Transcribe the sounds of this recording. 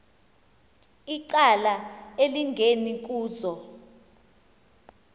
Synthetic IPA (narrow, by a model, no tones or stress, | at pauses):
iǀalaeliŋɡʱenik̬ʼuːzɔ